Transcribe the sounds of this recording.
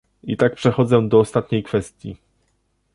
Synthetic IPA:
it̪ak̚pʂɛxɔd̪zɛd̪ɔːst̪at̪ɲejkfɛst̪ʲjḭ

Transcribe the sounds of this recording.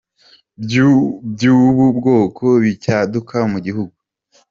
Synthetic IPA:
bbɟuːβubɡo̞ːkʰo̞βicadukʰamuɟiɦuɡu

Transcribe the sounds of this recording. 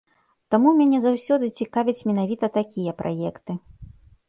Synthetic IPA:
t̪amumʲanʲɛzawsʲɔd̪ɨt͡sʲikavʲɐt͡sʲmʲɛn̪avʲit̪ɐt̪akʲijɐpɾʔa̰jɛkt̪ɨ

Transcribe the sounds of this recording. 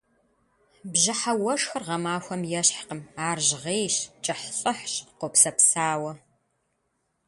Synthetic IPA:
bʑɪħawɐʂxɐrʁɐmaːxʷɐmjɛɕħqəmaːrʑʁeːjɕt͡ʃʼɐħɬʼɨħɕqʷʊpsɐpsaːwɐ

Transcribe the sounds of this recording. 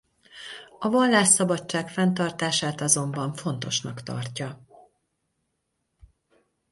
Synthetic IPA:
ɒvɒlːaːʃsɒbɒt͡ʃːaːkfɛnt̪ɒrt̪aːʃaːt̪ɒzo̞mbɒɱfo̞n̪t̪o̞ʃnɒkt̪ɒ̰rcɒ

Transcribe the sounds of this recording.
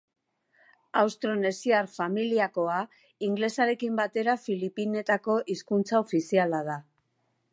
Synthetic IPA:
awst̪ɾone̞siarfamiliako̞a | iŋɡle̞saɾe̞kimbat̪e̞ɾafilipine̞t̪ako̞ʔiskunt͡sao̞fisialað̞a

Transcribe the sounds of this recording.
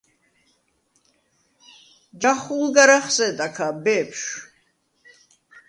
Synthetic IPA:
d͡ʒaχulɡaɾaχsɛd̪akʰabɛpʰʃ

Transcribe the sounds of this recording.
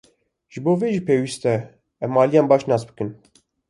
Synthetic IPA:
ʒ̥ɨboːveːʒiːpʰeːwist̪ɛ | ɛmɑːlijɑːnbɑːʃnɑːsbɨkɨn

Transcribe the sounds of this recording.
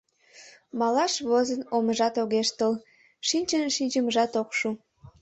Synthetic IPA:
mɑlɑʃβozənoməʒɑt̪oɣeʃt̪əl | ʃinʲt͡ʃənʃinʲt͡ʃəməʒɑt̪okʃu

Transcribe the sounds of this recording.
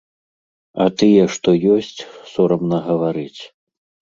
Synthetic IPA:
ɐt̪ɨjɛʂt̪ɔjɔsʲt͡sʲsɔɾɐmnɐɣɐvaɾɨt͡sʲ

